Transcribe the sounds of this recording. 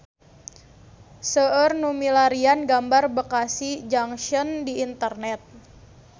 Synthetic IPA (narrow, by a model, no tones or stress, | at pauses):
səərnumilaɾianɡambarbəkasid͡ʒaŋʃəndiːnt̪ərnɛt̪̚